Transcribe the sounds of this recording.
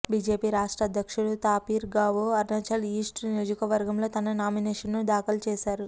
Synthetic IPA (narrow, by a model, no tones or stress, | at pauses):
biːd͡ʒe̞ːpiːɾaːʂʈɾɐd̪ʱjɐkʂuɽut̪aːpiːɾɡaːʋoːɐɾnɐt͡ʃɐliːsʈnijoːd͡ʒɐkɐʋɐɾɡɐmlo̞ːt̪ɐnɐnaːmineːʂɐnnud̪aːkɐlt͡ʃɛːʃaːɾu